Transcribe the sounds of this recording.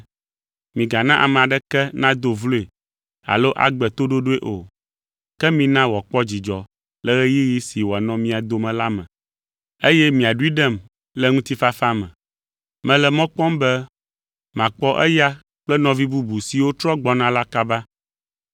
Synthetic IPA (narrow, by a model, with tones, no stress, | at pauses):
mĩ˨ɡa˨nã˦ʔa̰˨mɛ̃˨a˨ɖɛ˦kɛ˦nã˦d̪o˨vlo˦e˨ | a̰˨lo˦ʔa̰˨ɡ͡bɛ˨t̪o˦ɖo˦ɖo˦e˦ʔo̰˨ | kɛ˦mĩ˨nã˦wɔ˨k͡pɔ˦d͡ʑi˨d͡ʒɔ˨ | lɛ˦ɣɛ˦ji˦ɣi˦si˨wɔ˨a˨nɔ̃˦mĩ˦a˨d̪o˦mɛ̃˨la˦mɛ̰̃˨ | e˦jɛ˦mĩ˨a˨ɖu˦i˦ɖɛ˦˨m | lɛ˦ŋũ˦t̪i˦fa˦fa˦mɛ̰̃˨ | mɛ̃˨lɛ˨mɔ̃˦k͡pɔ̃˦mbɛ˦ | mã˨k͡pɔ˦ʔɛ̰˦ja˦ | k͡plɛ˦nɔ̃˨vi˦bu˦bu˨si˨wo˦t̪ɾɔ˦ɡ͡bɔ˨nã˦la˦ka˦ba˦